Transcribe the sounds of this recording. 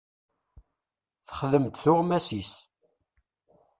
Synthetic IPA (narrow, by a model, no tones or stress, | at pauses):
θə̥χðəmt̪θʊʁmæsis